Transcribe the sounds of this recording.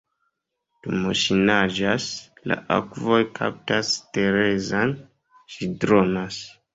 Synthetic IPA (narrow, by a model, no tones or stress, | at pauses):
d̥umoʃinad͡ʒasla̰ʔa̰kvo̞jkʰa̰p̚taste̞ɾe̞zan | ʃidɾo̞nas